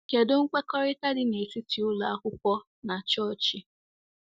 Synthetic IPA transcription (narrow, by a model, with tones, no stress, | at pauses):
ke˨dʊ˦ŋ̩˦k͡pe˦kɔ˦ɾɪ˦ta˦dɪ˨ne˨si˦ti˨ʊ˦la˨a˦kʷʊ˦kʷɔ˦ | na˨t͡ʃɔ˦˨t͡ʃi˨